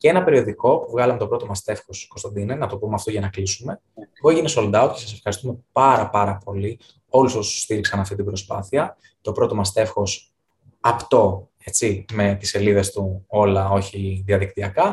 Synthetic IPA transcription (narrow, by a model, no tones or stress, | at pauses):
ceenɐpe̞ɾio̞ðiko̞puvɣɐlɐmet̪o̞pɾo̞t̪o̞mɐst̪e̞fxosko̞st̪ɐnd̪inenɐt̪o̞pumeɐft̪o̞ʝɐnɐklisume̞ | eɣoeʝinesold̪ɐoce̞sɐse̞fxɐɾist̪ume̞pɐɾɐpɐɾɐpo̞li | o̞lusosuu̥st̪iɾiksɐnɐft̪it̪ibɾo̞spɐθiɐ | t̪o̞pɾo̞t̪o̞mɐst̪e̞fxo̞s | ɐpt̪o̞ | et͡sime̞t̪i̥se̞liðe̞st̪uo̞lɐo̞çiðiɐðik̚t̪iɐkɐ